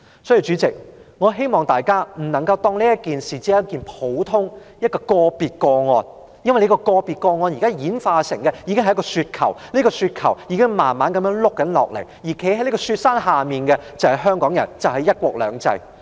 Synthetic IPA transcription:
sɔː˨˥ji˨wt͡ʃy˨˥t͡sɪ˨k̚ŋɔː˨˧ɦe˥jmɔː˨ŋt̪aː˨jkaː˥m̩˨˩nɐ˨˩ŋkɐ˧wt̪ɔː˧ŋli˥jɐ˥t̚kiː˨nsiː˨˩t͡siː˧˥j̚kiː˨npʰo˨˥wt̪ʰʊ˥ŋjɐ˥t̚kɔː˧kɔː˧piː˨t̚kɔː˧ŋɔː˧n | jɐ˥nwɐ˨jle˨˥kɔ˧kɔː˧piː˨t̚kɔː˧ŋɔː˧nji˨˩kaː˥jiː˨˥nfaː˧sɪ˨˩ŋkɛ˧jiː˨˧kɪ˥ŋɐ˨jɐ˥k̬ːɔː˧syː˧t̚kʰɐ̰˨˩wliː˥kɔː˧syː˧t̚kʰɐ̰˨˩wjiː˨˧kɪ˥ŋmaː˨˩nmaː˨˥nkɐ˨˥mjœː˧˥ŋlʊ˥k̚ːɐ˨˥nlɔ̰ː˨k̚lḛ˨˩jjiː˨˩kʰe˨˥hɐ˨˦jli˥kɔː˧syː˧t̚saː˥nɦaː˨miː˨nkɛ˧t͡sɐ˨whɐ˨˩jɦœː˥ŋkɔː˨˥ŋjɐ̰˨˩nt͡sɐ˨wɦɐ˨jːɐ˥t̚kʷɔː˧k̚lœ̰ː˨˧ŋt͡sɐ̰˧j

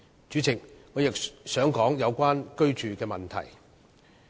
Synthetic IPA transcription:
t͡ʃyː˨˥t͡sʰɪ˨k̚ŋɔː˨˧jɪ˨k̚sœː˨˥ŋkɔː˨˥ŋjɐ˨˧wkʷaː˥nkɵ˥ɥt͡ʃyː˨kɛː˧mɐ˨nt̪ʰɐ̰˨˩j

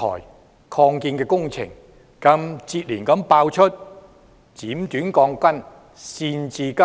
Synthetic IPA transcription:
ɔ̰ː˨˩j | kʰɔː˧ŋkiː˧nkɛː˧kʊ˥ŋt͡sʰɪ̰˨˩ŋ | kɐ˧mt͡siː˧t̚liː˨˩nkɐ˨˥mpaː˧wt͡ʃʰɵ˥t̚ | t͡siː˨˥mt̪yː˨˥nkɔː˧ŋkʷɐ˥n | siː˧nt͡siː˧kɐ˥

